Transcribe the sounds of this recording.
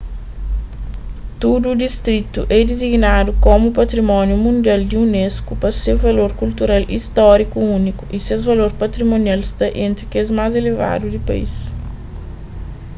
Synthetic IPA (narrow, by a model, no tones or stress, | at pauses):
t̪ud̪uːd̪ist̪ɾit̪uʔɛd̪iziɡnad̪ukomupɐt̪ɾimɔ̃njumũnd̪iald̪iuneskupɐsewvɐloɾkult̪uɾalḭst̪ɔɾikuũnikuʔisezvɐloɾpɐt̪ɾimõnialist̪ɐʔẽnt̪ɾikezmazeleva̰d̪ud̪ɪpa̰ḭs